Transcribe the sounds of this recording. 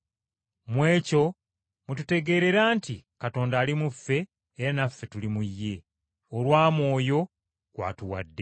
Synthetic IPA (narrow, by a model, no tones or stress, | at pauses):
mwe̞ːco̞ | mutute̞ɡe̞ːɾe̞ɾaːntikato̞ːndaːlimufːe̞ː | ɾanafːe̞tulimujːe̞ | olwaːmwo̞ːjo̞ | kwa̰ːtuwa̰dːe̞